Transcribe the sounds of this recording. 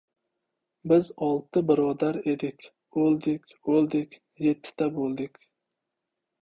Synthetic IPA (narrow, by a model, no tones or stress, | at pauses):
bɪzɒlˠt̪ɨbɪɾɒːd̪aɾed̪ɪkʲ | olˠd̪ɪkʲolˠd̪ɪkʲ | jet̪ʰːɪ̥t̪abolˠd̪ɪkʲ